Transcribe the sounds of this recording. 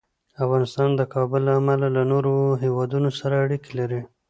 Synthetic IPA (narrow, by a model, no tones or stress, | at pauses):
afɣɑnɪst̪ɑnd̪əkʰɑbʊlːaːmalalanoɾoɦewɑd̪unosaɾaːɽikelaɾi